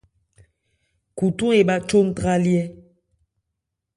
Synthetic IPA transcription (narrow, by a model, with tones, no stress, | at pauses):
ku˨tu˦e˨ɓa˦t͡ʃo˦n˦tʁa˦ljɛ˦